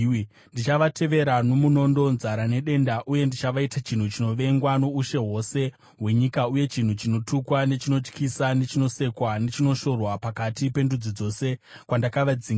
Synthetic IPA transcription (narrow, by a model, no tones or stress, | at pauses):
ndit͡ʃaʋatʰe̞ʋe̞ɾano̞muno̞ndo̞nzaɾane̞ɗe̞ndaʔuje̞ndit͡ʃaʋaitat͡ʃin̤ut͡ʃino̞ʋe̞ŋɡwano̞uʃe̞ɦo̞se̞ | ɦwe̞ɲikauje̞t͡ʃin̤ut͡ʃino̞tukwane̞t͡ʃino̞t͡ʃkisane̞t͡ʃino̞se̞kwane̞t͡ʃino̞ʃo̞rwapakatipe̞ndud͡zid͡zo̞se̞ | kwandakaʋad͡ziŋ